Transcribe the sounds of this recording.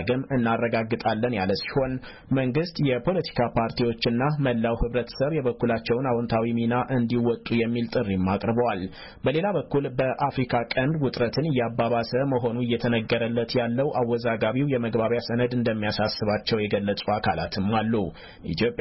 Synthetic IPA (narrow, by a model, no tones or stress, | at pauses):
ɡɨmɨnːarːəɡaɡːɨt̪ʼalːənjaləsi̥ho̞n | məŋɡɨst̪jɛpʰo̞lət̪ʰi̥kʰapʰaɾt̪ʰiwo̞t͡ʃːɨnːaməlːawhɨβɾət̪ʰə̥səβjɛβəkːulat͡ʃːɛwnawɔnt̪ʰawiminaʔɨnd̪iwɔt̪ʼːujɛmːilt̪ʼɨrːimːakʼɾɨbəwal | bəle̞laβəkːulbəʔafɾikʰakʼənd̪wʊt̪ʼɾət̪ʰɨnɨjːabːaβasəməɦo̞nuɨjːɛt̪ʰənəɡːəɾəlːət̪jalːəwʔawːɔzaɡaβiwjɛməɡbaβjasənəd̪ɨnd̪əmːijasasːɨβat͡ʃːɛwjɛɡəlːət͡sʼuakʰala̰t̪ʰɨmːalːu | ʔḭt̪ʰjo̞pʼ